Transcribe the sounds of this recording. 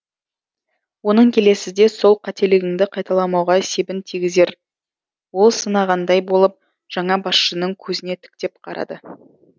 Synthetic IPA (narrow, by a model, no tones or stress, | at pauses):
wo̞nəŋkʲʰe̞le̞sɪzd̪e̞so̞lˠqʰɑt̪e̞lɪɡʲɪŋd̪ɪqʰɑjt̪ɑlˠɑmɑwʁɑse̞bɪnt̪ʰiɡʲɪze̞ɾ | wo̞lˠsənɑʁɑnd̪ɑjbo̞lˠəp̚ | ʒ̥ɑɴɑbɑsʃənəŋkʲʰɵzɪne̞t̪ʰɪ̥k̚t̪e̞p̚qʰɑɾɑ̰d̪ə